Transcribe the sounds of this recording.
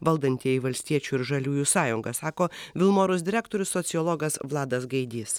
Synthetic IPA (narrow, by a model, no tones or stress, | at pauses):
ʋɐlˠd̪ɐnʲt̪ʲiɛiʋɐlʲsʲt̪ʲiɛt͡ʃʲuːɪɾʒɐlʲuːjuːsɑːjʊŋɡɐsɑːkoːʋʲɪlˠmoːɾʊs̬ʲd̪ʲɪɾʲæːkt̪oːɾʲʊsːɔt̪sʲɪɔlˠɔɡɐsʋlˠɑːd̪ɐsɡɐɪd̪ʲiːs